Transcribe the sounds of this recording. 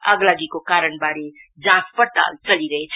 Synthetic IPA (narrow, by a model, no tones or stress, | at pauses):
ʌ̰ɡlaɡikokaɾəɳbaɾid͡zãspʌɾt̪a̰lt͡sʌliɾʌɦet͡sʰ